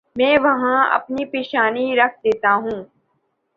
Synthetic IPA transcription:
mɛ̃ːʋɐɦãɐ̰pnipeːʃaːniɾɐk̚ʰd̪eːt̪aɦũː

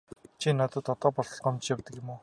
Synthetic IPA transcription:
t͡ɕʰinːat̪ə̆t̪ɔt̪ɔːpɔɮɞ̆ɮɢɔmt͡ɕjawt̪ə̆kjɪ̆muː

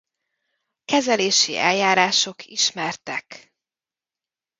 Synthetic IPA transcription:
kɛzɛleːʃḭʔɛ̰ljaːɾaːʃo̞kʰḭʃmɛrt̪ɛk

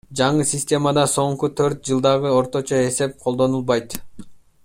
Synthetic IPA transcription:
d͡ʒɑɴɯsʲɪsʲtʲe̞mɑd̪ɑso̞ɴqut̪ʰøɾt̪̚d͡ʒɯlˠd̪ɑʁɯo̞ɾt̪o̞t͡ʃoe̞se̞p̚qʰolˠd̪o̞nulˠβɑjt̪

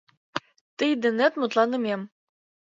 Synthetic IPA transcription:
t̪ɨjd̪ɘ̆net̪mut̪lˠɑnɨmʲem

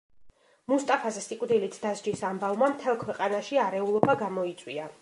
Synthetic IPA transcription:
must̪ʼapʰazɛsikʼwd̪ilit̪ʰd̪azd͡ʒisambavmamt̪ʰɛlˠkʰwɛqʼanaʃiaɾɛulˠɔbaɡamɔit̪sʼwia

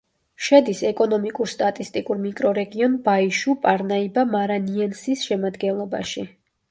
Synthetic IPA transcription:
ʃɛd̪isɛkʼɔnɔmikʼuɾst̪ʼat̪ʼist̪ʼikʼuɾmikʼɾɔɾɛɡiɔnbaiʃupʼaɾnaibamaɾaniɛnsisʃɛmad̪ɡɛnlˠɔba̰ʃi

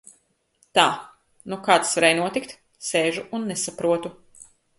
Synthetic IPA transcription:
t̪aː | nukaːt̪svaɾɛjnuɔt̪ikt̪ | seːʒuunːesapɾuɔt̪u

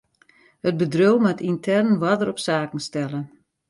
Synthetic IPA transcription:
həd̚bədrøwmatintʰɛrnʋadəɾɔpsaːkən̩stɛlən

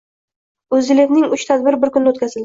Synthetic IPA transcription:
ɵzɪlevʲnɪŋʊt͡ʃt̪ʰad̪bɪɾbɪɾkʲʊnːot̪kʲʰazɪld̪ɪ

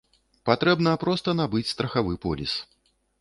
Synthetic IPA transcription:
pat̪ɾɛbnɐpɾɔst̪ɐnabɨt͡sʲst̪ɾɐxavɨpɔlʲḭs

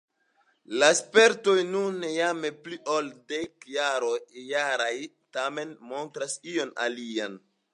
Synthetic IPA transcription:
laespe̞ɾto̞jnunjamepliʔoldekjaɾojːaɾaj | tame̞nmo̞ntɾasio̞na̰lian

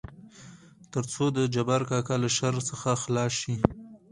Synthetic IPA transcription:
t̪əɾt͡sod̪əd͡ʒabaɾkɑkalaʃaɾsəxaxlɑʃi

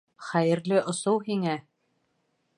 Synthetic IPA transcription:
χæjɘ̆ɾlɘʔŏsɤwɦiŋæ

